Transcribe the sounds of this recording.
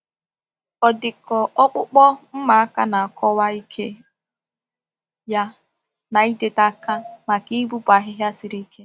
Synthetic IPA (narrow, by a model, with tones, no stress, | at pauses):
ɔ˨dɪ˨kɔ˨ʔɔ˦k͡pʊ˦k͡pɔ˦m̩˦ma˨a˦ka˦na˨a˨kʰɔ˦wa˦i˦kʰe˦ | ja˦ | na˨i˦de˨ta˦ka˦ma˨ki˦bu˦ba˨ɦɪ˦ɦja˦sɪ˦ɾi˦kʰe˦